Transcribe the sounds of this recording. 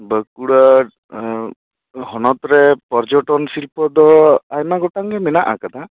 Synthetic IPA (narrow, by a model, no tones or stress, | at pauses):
bəkuɽə | ɦɔnɔt̪ɾepɔɾd͡ʒɔʈɔnsilpɔd̪ɔajmaɡɔʈaŋɡɛmɛnaʔa̰kad̪a